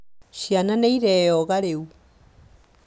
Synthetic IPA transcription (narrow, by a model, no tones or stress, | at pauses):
ʃiananɛiɾɛɔɣaɾeu